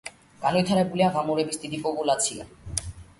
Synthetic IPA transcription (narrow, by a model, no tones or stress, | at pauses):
ɡ̥anojt̪ʰaɾɛbuliaɣamoɾebisd̪id̪ipʼopʼulat̪sʰia̰